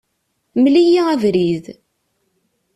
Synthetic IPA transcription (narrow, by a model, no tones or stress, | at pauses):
mlijiævɾið